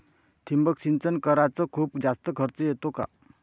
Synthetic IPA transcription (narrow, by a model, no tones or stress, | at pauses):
t̪ʰimbəkɕint͡sənkəɾat͡səkʰuːpd͡zast̪əkʰəɾt͡səjet̪oka̰